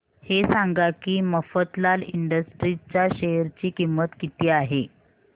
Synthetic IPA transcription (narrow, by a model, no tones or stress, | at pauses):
hesaŋɡakiːməfət̪laliɳɖəsʈɾit͡ɕjaɕejəɾt͡ɕiːkimːət̪kit̪iːaɦe